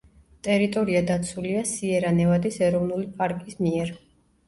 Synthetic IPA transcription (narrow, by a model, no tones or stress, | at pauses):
t̪ʼɛɾit̪ʼɔɾiad̪at̪sʰuliasiɛɾanɛvad̪isɛɾɔvnulipʼaɾkʼismiɛɾ